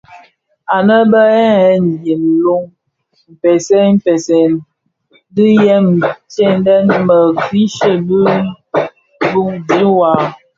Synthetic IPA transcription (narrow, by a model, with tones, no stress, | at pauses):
a˨nə˦bə˦ɛ˦ɛ˦n˨ji˨n̩˨lo˦ŋ | m̩˨pɛ˨sɛ˦m̩˦pɛ˨sɛ˨n | di˦jɛ˦m˨t͡ʃe˦n˦dɛ˦nmə˨ɡi˦ʃə˦bi˦ | bu˦ŋdi˨˦wa˨